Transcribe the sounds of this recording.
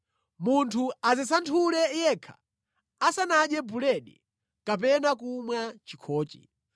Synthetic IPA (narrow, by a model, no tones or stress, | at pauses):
muntʰuazɛsantʰulɛjɛːkʰḁ̰ | asanaɗjɛbulɛɗḭ | kap̬ɛnakumwat͡ʃikʰɔːt͡ʃḭ